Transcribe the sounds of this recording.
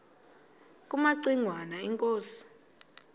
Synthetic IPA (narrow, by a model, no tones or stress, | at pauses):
k̬ʼumaǀiŋwanaɛŋkʼoːsi̥